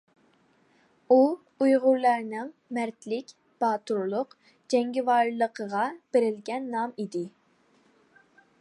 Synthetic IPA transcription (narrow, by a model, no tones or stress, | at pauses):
u | ujʁʊɾlæɾnɪŋ | mɛɾt̪lɪkʲ | b̥ɑːt̪uɾlˠʊq | d͡ʒɛŋɡʲɪvɑɾlˠəqʰəʁɑb̥eɾɪlɡʲɛnːɑmid̪ɪ